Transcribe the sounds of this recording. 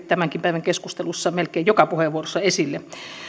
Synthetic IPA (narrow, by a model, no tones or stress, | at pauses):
t̪æmæŋkimpæˑiʋæŋkeskust̪elusːɑmelkeijokɑpuheʋːuorosːɑesilːe